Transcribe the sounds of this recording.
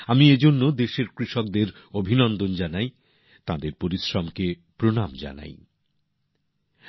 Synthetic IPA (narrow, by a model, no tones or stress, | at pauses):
amied͡ʑonːod̪eʃeɾkɾiʃɔk̚d̪eɾ | obʱinɔnd̪ond͡ʑanaj | t̪ãd̪eɾpoɾiʃɾɔmke | pɾonamd͡ʑa̰na̰j